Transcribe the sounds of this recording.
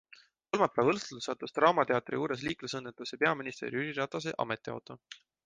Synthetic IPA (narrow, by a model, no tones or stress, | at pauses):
ko̞lmɑpːæːvɤlst̪ulusɑt̪ːˑust̪rɑːmɑt̪e̞ɑt̪ˑriuːɾes̬liːklusɤnːet̪ːˑusepe̞ɑminist̪e̞̰ɾiyɾiɾɑt̪ɑs̬eʔɑ̰me̞t̪ːˑiɑ̰wt̪o̞